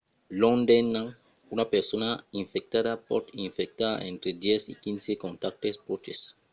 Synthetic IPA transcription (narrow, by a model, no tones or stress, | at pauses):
lõndenːãŋ | unapeɾsonaĩɱfek̚t̪adapɔ̰tĩɱfek̚t̪a̰ʔḛ̃nt̪ɾedjɛsḭkĩnsekõnt̪ak̚t̪espɾot͡ʃes